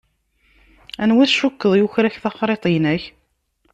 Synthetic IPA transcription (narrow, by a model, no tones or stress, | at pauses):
ænwæθʃukːəðˤjuçɾæçθɑχɾˤet̪ˤinæç